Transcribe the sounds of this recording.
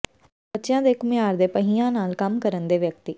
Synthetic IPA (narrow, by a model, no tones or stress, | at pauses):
bətːʃjãːd̪eːkʊmɪjaːɾd̪eːpəɦijãːnaːlkəmkəɾənd̪eːʋjək̚t̪iː